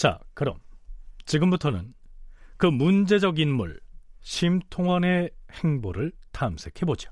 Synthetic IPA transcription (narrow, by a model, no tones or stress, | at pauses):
t͡ɕa̰kɯɾʌ̰mt͡ɕiɡɯmbutʰʌnɯ̰nkɯmund͡ʑe̞d͡ʑʌɡinmṵɭɕʰimtʰoŋwʌne̞he̞ŋboɾɯɭtaɯmsʰe̞kʰe̞bod͡ʑio̥